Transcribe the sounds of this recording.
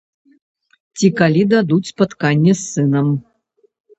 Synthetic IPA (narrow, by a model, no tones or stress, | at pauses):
t͡sʲikalʲid̪ad̪ut͡sʲspat̪kanʲːɛsːɨnɐm